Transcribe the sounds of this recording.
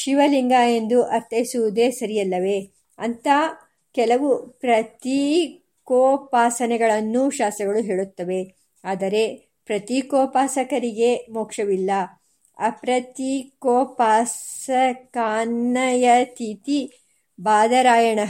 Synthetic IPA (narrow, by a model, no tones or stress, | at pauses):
ʃiʋɐliŋɡaːe̞nd̪uʔɐɾt̪ːɐjisuʋud̪eːsɐɾijɐlːɐʋe̞ | ɐnt̪ʰa | kɛlɐʋupɾɐt̪i | koːpaːsɐnɛɡɐɭɐnːuʃaːst̪ɾɐɡɐɭuɦeːɭut̪ːɐʋe̞ | aːd̪ɐɾe̞ | pɾɐt̪ikɔːpaːsɐkɐɾiɡe̞moːkʂɐʋilːɐ | ɐ̰pɾɐt̪ikoːpaːsɐkaːnːɐjɐt̪ʰit̪i | baːd̪ɐɾaːjɐɳɐ